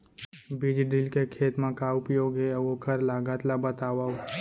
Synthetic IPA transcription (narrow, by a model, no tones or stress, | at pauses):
bid͡ʒɖɾilkekʰet̪mãkaʊpjoɡeəʋokʰəɾlaɡat̪labət̪aʋao